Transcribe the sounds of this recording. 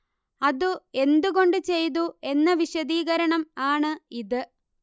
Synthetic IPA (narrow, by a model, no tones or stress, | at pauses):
ɐðue̞nd̪uɣo̞ɳɖɨt͡ɕe̞jt̪ue̞nːɐʋiɕɐðiːɣɐɾɐɳɐmaːɳɨiðɨ